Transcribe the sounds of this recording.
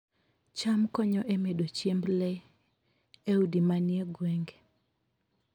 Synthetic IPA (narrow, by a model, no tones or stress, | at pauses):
t͡ʃamkɔɲɔʔemedot͡ʃjemble | eudimanjeɡweŋɡe